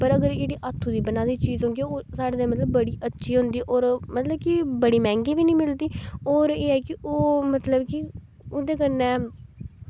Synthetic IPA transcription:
pəɾəɡəɾd͡ʒeːɽiːʔat̪ʰːuːd̪iːbənãːd̪iːt͡ʃiːzɦõːŋɡeoːsaːɽeːd̪eːmət̪ləbːəɽiːʔətːʃʰiːɦʊ̃nd̪iːʔoːɾmət̪ləb̚kɪbəɽiːmɛ̃ːŋɡiːʋiːnĩːmɪld̪iːoːɾeːɛːkɪʔoːmət̪ləbkɪ | oːd̪eːkənːɛ̃ː

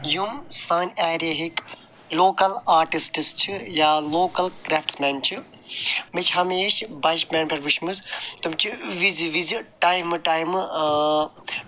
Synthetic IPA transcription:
jumsaːnaːɾeɦik | loːkɐlaːɾʈisʈɨst͡ʃʰijaːloːkɐlkɾeːfʈsmeːnt͡ʃʰi | mit͡ʃʰɦɐmeːʃbɐʃbʲeːnpʲɐɾʋuʃmuzt̪umt͡ʃʰiʋiziʋiziʈaːjmɨʈaːjm

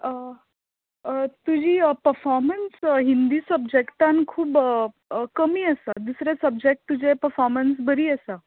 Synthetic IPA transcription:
ə | t̪ud͡ʑiːpəɾfɔɾmənsɦind̪iːsəb̚d͡ʑekʈankʰuːb | kəmiːəsad̪usɾesəb̚d͡ʑek̚ʈ̚t̪ːud͡ʑepəɾfɔɾmənsbəɾiːəsa

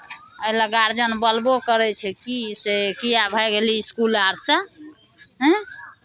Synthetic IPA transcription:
əɦlaɡaɾd͡ʒənbəlbokəɾɛt͡ʃʰɛkisekijabʱəjɡeliːskulaɾsə̃ | ɦɛ̃

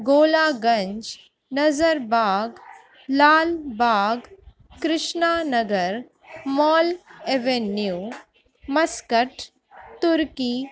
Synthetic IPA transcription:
ɡoːlaːɡɐ̃ɲd͡ʒ | nɐzəɾbaːɡ | laːlbaːɡ | kɾɪʃnaːnɐɡəɾ | mɔːleʋenjuː | mɐskəʈ | t̪ʊɾkiː

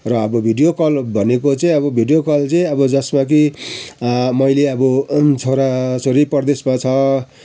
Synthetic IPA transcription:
rʌːbʌbʱiɖijokʌlbʱʌnekot͡saĩʌbʌbʱiɖijokʌlt͡saĩʌbʌd͡zʌsmak̬i | mʌjleʌbʌt͡sʰoɾasoɾipʌrd̪esmat͡sʰʌ

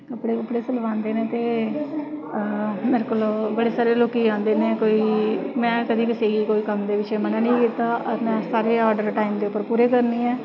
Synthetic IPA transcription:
kəpɽeːkəpɽeːsəlʋãːnd̪eːneːt̪eː | meːɾekəloːbəɽeːsaːɾeːloːkiːãːnd̪eːneːkoːiːmɛ̃ːkəd̪iːkɪseːɡiːkoːiːkəmd̪eːʋɪʃeːmənãːnĩːkiːt̪aːʔɔːɾmɛ̃ːsaːɾeːɔːɾɖəɾʈaːimd̪eːʊpːəɾpuːɾeːkəɾniːɛː

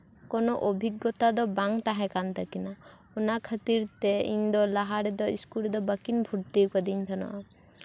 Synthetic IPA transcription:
kɔnɔʔobʱiɡːɔt̪ad̪ɔbaŋt̪aɦɛ̃kant̪akina | ɔnakʰət̪iɾt̪ɛḭɲd̪ɔlaɦaɾɛd̪ɔḭskuɾɛd̪ɔbəkinbʱuɾt̪ikɔd̪iɲt̪ʰanɔ̰ʔa

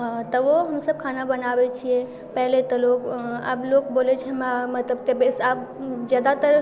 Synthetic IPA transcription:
ɦãt̪əʋoɦəmsəb̚kʰanabənaːbet͡ʃʰije | pɛɦlet̪əloka̰ːblokboːlet͡ʃʰɛmamət̪ləbt̪ebesaːp̚d͡ʒjaːd̪at̪əɾ

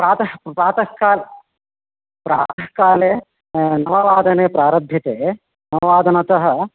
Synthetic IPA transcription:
pɾaːt̪ɐpɾaːt̪ɐɦkaːl | pɾaːt̪ɐɦkaːleː | nɐʋɐʋaːd̪ɐneːpɾaːɾɐbʱːit̪eː | nɐʋɐʋaːd̪ʱɐnɐt̪ɐɦɐ

